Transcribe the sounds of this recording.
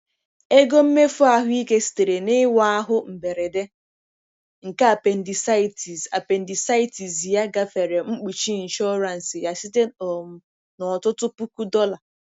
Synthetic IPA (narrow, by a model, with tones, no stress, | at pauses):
e˦ɡo˦m̩˦me˦fʊ˦a˦ɦʊ˦i˦ke˦si̥˨te˨ɾe˨nɪ˦wa˦a˦ɦʊ˦m̩˨be˨ɾe˨de˦ | ŋ̩˨ka˦a˨pe˨n̩˨di˨sa˦ɪ˨ti˨za˨pe˨n̩˨di˨sa˦ɪ˦ti˨zja˦ɡa˦fe˨ɾe˨ŋ͡m̩˦k͡pu˨t͡ʃi˦˨n̩˨ʃɔ˦ɾa˨n̩˨sɪ˨ja˨si˦te˦ɔ˨m̩˨ | nɔ˨tʊ˦tʊ˦pu˦ku˦dɔ˦la˨